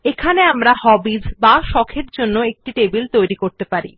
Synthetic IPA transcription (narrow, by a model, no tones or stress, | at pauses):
ekʰaneamɾahɔbid͡ʑbaʃɔkʰeɾd͡ʑonːoek̚ʈiʈebilt̪ojɾikoɾt̪epaɾḭ